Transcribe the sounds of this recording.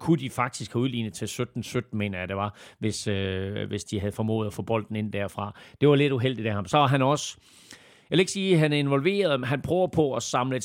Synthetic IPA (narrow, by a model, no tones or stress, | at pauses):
kʰud̥ifɑ̈ɡ̥̚d̥isɡ̥hæuðˠlḭːnð̩ˠt͡sʰe̝lsød̥n̩sød̥n̩me̝̰ːnɐjæɾ̥e̝ʋɑ̈ʋe̝søʋe̝sd̥iɦæð̞ˠfɒ̽mɔ̰̽ːð̩ˠæfɔ̰ːb̥ɒ̽l̰d̥n̩e̝n̰d̥æɐ̰fʁɑ̈d̥e̝ʋɑ̈le̝d̥uɦel̰d̥id̥æhɑ̈msɒ̽ʋɑ̈ɦænɒ̽s | jæʋeeɡ̥siːɦænæɐe̝nʋɒ̽lʋe̝̰ːɐð̞ˠmenɦænpʰʁœʊɐpʰɒ̽ɒsɑ̈mləe